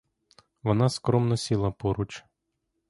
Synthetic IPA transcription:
ʋɔnɑskɾɔmnɔsʲilˠɐpɔɾut͡ʃ

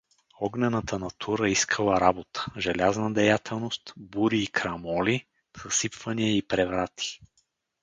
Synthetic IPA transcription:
ɔɡnɛnət̪ənɐt̪ʰuɾəiskʰəlˠəɾabot̪ə̥ʒɛlʲaznəd̪ɛjat̪ʰɛlˠnost̪buɾiːkɾɐmɔli | z̥ɐsipvəniəipɾɛvɾat̪ʰi̥

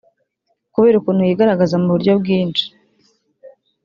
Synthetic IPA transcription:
kuβe̞ːɾukuːn̥hujiːɡaɾaɡazamuβuɾɟo̞bɡiːnt͡ʃi̥

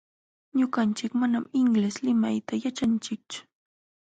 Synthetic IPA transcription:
ɲʊɢant͡ʃɪkmanamɪŋleslɪmajt̪ajat͡ʃant͡ʃɪk̚t͡ʃʊ̥

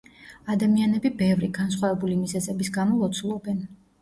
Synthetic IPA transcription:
ad̪amianɛbibɛvɾiɡans̬χwavɛbulimizɛzɛbisɡamɔlɔt̪sʰulˠɔbɛn

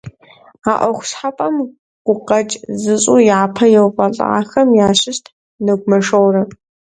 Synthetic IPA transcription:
aːʔʷɔxʷʊ̥ɕħapʼɐm | ɡ̥ʷʊqɐt͡ʃʼzɨɕʼujaːpʰɐjɛwfʼɐɬʼɐ̰a̰ːxɐmjaːɕɪʃtʰ | nɨɡʷmɐʂɐwrɨ

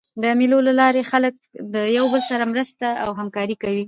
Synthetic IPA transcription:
d̪əmilolalɑɾexalək̚d̪əjawbəlsaɾamɾəst̪aawɦamkɑɾikawi

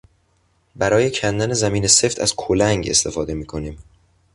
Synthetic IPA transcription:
bæɾɒːje̞cʰænd̪æne̞zæmiːne̞se̞ft̪ʰæ̰z̥kʰolæŋɡe̞st̪ʰe̞fɒːd̪e̞miːkʰo̞niːm

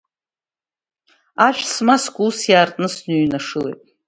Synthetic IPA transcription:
aʃᶣsmaskʷʼuːsjaːrtʼnɨsnyɥnaʂɨlḛjtʼ

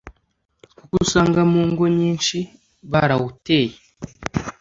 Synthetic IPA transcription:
kukusaːŋɡamuːŋɡoɲiːnʃi | βaɾawuteːje

